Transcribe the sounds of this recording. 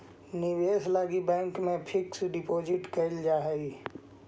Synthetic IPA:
nɪweːslaːɡibɛ̃ːŋkmẽpʰɪksɖɪpoːd͡ʒɪʈkɐld͡ʒaːɦɛɡi

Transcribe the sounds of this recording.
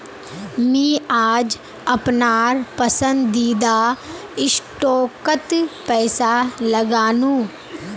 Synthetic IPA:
mĩːaːd͡ʒ | əpnaːɾpəsə̃nd̪ːiːd̪a | ɪsʈoːkət̪pɛːsaləɡaːnũː

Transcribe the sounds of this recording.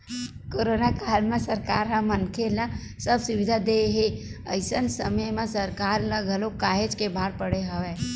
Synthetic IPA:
koɾonakalmẽsəɾkaɾɦə̃mənkʰelə | səbsʊʋid̪ʱad̪eɦeə̰ɪsənsəməjmẽsəɾkaɾləɡʱəlokaːɦed͡ʒkebʱaɾpəɽeɦəʋe

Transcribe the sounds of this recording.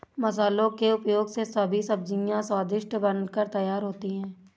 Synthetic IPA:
mɐsaːlõkeʊpjoːɡsesɐbʱisɐb̚d͡ʒĩjãsaːd̪ɪʃʈbənkəɾt̪ɐjaːɾɦoːt̪iɦɛ̃ː

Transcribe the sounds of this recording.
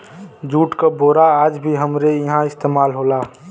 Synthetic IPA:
d͡ʒuːʈkaboːɾaaːd͡ʒbʱiɦəmɾejɐɦãɪst̪eːmaːlɦoːlaː

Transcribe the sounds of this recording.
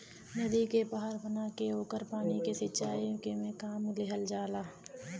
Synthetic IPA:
nɐd̪ikebaːɦaɾbənaːkeoːkəɾpaːnikesɪtːt͡ʃaːijõkemẽkaːmleɦəld͡ʒaːlaː

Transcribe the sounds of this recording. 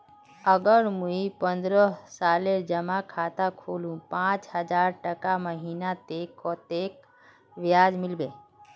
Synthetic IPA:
əɡəɾmuipə̃nd̪ɾəsaːleɾd͡ʒəmakʰaːt̪akʰoːlũpãːt͡ʃɦəd͡ʒaːɾʈəkaməɦiːnat̪eːkːɔt̪eːk | ʋɪjaːd͡ʒmɪlbe

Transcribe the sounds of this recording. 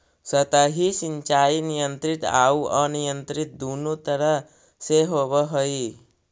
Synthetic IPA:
sət̪əɦisĩɲt͡ʃaːinɪjə̃nt̪ɾɪt̪aːuənijə̃nt̪ɾɪt̪̚d̪oːnot̪əɾəɦ | seɦoːbəɦoi

